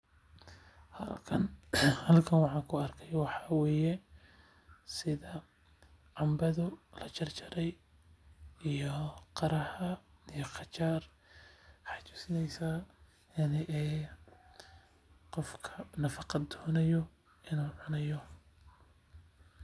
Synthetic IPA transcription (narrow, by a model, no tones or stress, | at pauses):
h | hɐlkʰɐnwɑħɑːŋkʰʊɐrkʰɛjwɑħɑːwɛːjɛ | sɪðɐ | ʕɑmbɐðʊlɐt͡ʃɐrt͡ʃʰɐɾɛj | ijɔqɑɾɐhɐijɔqɑt͡ʃaːr | ħɑt͡ʃʊ̥sɪnɛjsa | ɐnɪʔɛː | qɔfkʰɐnɐfɑqɑd̪ɔːnɐjɔ | ɪnuːʕʊnɐjɔ